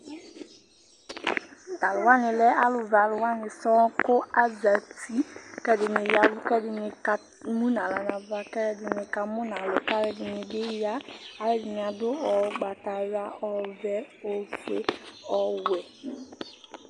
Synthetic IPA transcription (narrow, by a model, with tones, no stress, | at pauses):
ta˨lʊ˨wa˦nɪ˨lɛ˦a˦lʊ˨va˨lʊ˨wa˦nɪ˨sɔ̃˦kʊ˦a˦za˨ti˦kɛ˦dɪ˨nɪ˨ja˨lʊ˦kɛ˦dɪ˨nɪ˨ka˦ | mũ˦nã˨la˨nã˨va˨kɛ˦ɾɛ˨dɪ˨nɪ˨ka˨mʊ˦na˨lʊ˨ka˦ɾɛ˨dɪ˨nɪ˨dɪ˦ja˦a˨ɾɛ˨dɪ˨nɪ˨a˨dʊ˦ɔ˨ɡ͡ba˨ta˨ja˦ɔ˨vɛ˦o˨fe˦ɔ˨wɛ˨